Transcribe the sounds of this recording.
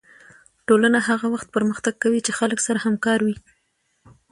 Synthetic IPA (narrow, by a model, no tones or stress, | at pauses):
ʈolanahaɣawaxt̪̚pəɾməxt̪aɡ̚kawit͡ʃexaləksaɾahamkɑɾwi